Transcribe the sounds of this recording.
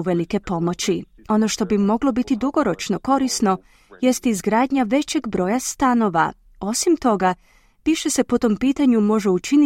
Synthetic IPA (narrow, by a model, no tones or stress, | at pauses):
uʋe̞like̞po̞mo̞t͡ɕi | o̞no̞ʃt̪o̞bimo̞ɡlˠo̞bit̪id̪uɡo̞ɾo̞t͡ʃno̞ko̞ɾisno̞ | je̞st̪izɡɾaːd̪ɲaʋe̞t͡ɕe̞ɡbɾo̞ːjast̪ano̞ʋa̰ | o̞simt̪o̞ɡa | piʃe̞se̞pot̪o̞mpiːt̪aɲumo̞ʒeut͡ʃini